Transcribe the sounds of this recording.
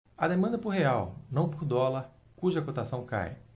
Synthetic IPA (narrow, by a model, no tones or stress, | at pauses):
ɐd̪emɐ̃nd̪ɐpʊɾɦeawnɐ̃w̃poɾd̪ɔlɐɾ | kuʒɐkot̪asɐ̃w̃ka̰j